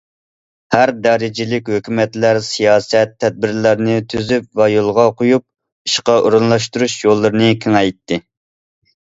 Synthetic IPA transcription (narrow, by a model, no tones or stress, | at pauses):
hæɾd̪ɑːɾɪd͡ʒɪlɪkʲhøkʲʰymɛt̪læɾsijɑːsɛt̪ʰːɛd̪̚bɪɾlæɾnɪt̪ʰyzypvɛjolˠʁɑqʰojup̚ | i̥ʃqɑʔoɾunlˠɑʃt̪uɾuʃjolˠːɨɾɨnɨkʲʰeŋɛjt̪ːɪ